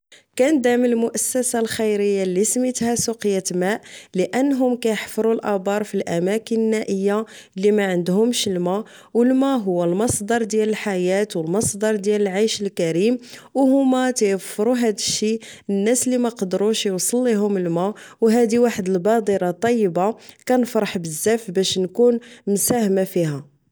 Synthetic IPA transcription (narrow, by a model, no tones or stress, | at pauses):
kænd̪aʕməlmʊʔæsːæsalxijɾəjːalːismit̪hæsuqəjːat̪mæʔləʔənːɦʊmkæjəħfɾˤulʔɑbɑɾˤfilʔæmækənənːæʔəjːa | lːimæʕənd̪hʊmʃlmæ | wəlmæɦʊwːælmɑsˤd̪ɑɾˤd̪jæləlħajæt̪wəlmɑsˤd̪ɑɾˤd̪jæləlʕajʃəlkæɾimwhʊmːat̪jəfɾˤuɦæd̪əʃːinːæslːimæqɑd̪ɾuʃjwsˤəlːiɦʊməlmæ | wɦæd̪iwaħəd̪əlbɑd̪ˤiɾɑt̪ˤːɑjːəbakænfɾˤɑħbəzːæfbæʃnkunmsæhmafihæ